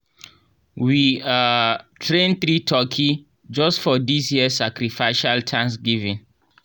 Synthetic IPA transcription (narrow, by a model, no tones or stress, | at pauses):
wiatʰɹẽnθɾitʰɔkʰi | d͡ʒɔstfɔdisjiəsːakɾifaʃaltʰãnsɡivĩn